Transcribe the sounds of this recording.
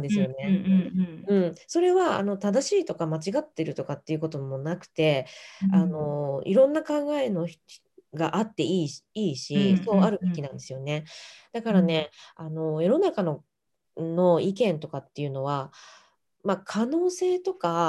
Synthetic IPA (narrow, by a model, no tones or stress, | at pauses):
d̪esɨjo̞ne | ɯ̟̃ɴso̞ɾe̞βaa̰no̞t̪ad̪aɕiːt̪o̞kamat͡ɕiɡat̪ːe̞ɾɯ̟t̪o̞kat̪ːe̞iɯ̟ko̞t̪o̞mo̞nakɯ̟̥t̪e̞ano̞ḭɾõ̞nːakãŋɡae̞no̞̥ | ɡaʔat̪ːe̞iːiːɕiso̞ːaɾɯ̟be̞kʲinãnd̪e̞sɨjo̞ne̞d̪̥akaɾane̞ano̞jo̞no̞nakano̞ | no̞ikẽ̞nt̪o̞kat̪ːe̞jɯ̟no̞βa | makʰano̞ːse̞ːt̪o̞ka